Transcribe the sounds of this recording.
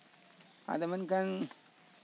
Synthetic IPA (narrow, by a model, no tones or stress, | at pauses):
a̰damankan